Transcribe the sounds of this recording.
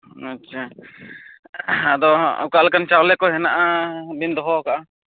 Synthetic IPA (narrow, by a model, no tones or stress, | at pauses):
atːʃʰa | ad̪ɔṵkalkant͡ʃawlɛkɔɦɛnaʔabind̪ɔɦɔkaʔa